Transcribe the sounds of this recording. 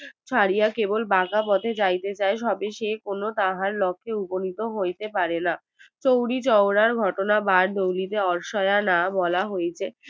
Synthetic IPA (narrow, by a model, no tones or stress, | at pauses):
t͡ɕʰaɾijakebolbakapɔt̪ʰed͡ʑajt̪et͡ɕaeʃɔbeʃekonot̪aɦaɾlɔkʰːeubonit̪oɦojt̪epaɾena | t͡ɕowɽit͡ɕɔwɾaɾɡʱɔʈonabaɾd̪owlit̪eɔɾʃɔeanabɔlaɦojet͡ɕʰe